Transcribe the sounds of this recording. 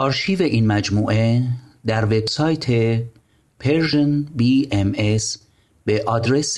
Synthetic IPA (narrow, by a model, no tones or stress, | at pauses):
ʔɒːɾʃiːveʔiːnmæd͡ʒmuːʔed̪æɾve̞bsɒːjt̪ʰe̞ | pʰeɾʒenbiːemes | b̥eʔɒd̪ɾes